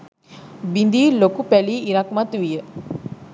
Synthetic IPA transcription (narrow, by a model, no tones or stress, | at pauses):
bind̪ilokupɛliːɾakmat̪uʋijə